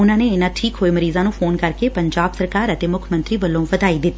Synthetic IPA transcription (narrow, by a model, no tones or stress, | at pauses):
ʊnãːneːɪnãːʈʰiːkɦoːeməɾiːzãːnũːpʰoːnkəɾkeːpəɲd͡ʒaːbsəɾkaːɾət̪eːmʊkʰmə̃nt̪ɾiːbəlːõːʋət̪aːiːd̪ɪt̪ːiː